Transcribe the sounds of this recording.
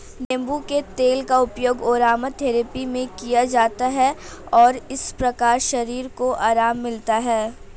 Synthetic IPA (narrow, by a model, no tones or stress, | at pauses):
nẽmbuket̪eːlkaʊpjoːɡoːɾaːmət̪ʰɛːɾepimẽkijad͡ʒaːt̪aɦɛɔːɾɪspɾɐkaːɾʃɐɾiːɾkoʔaːɾaːmːɪlt̪aɦɛː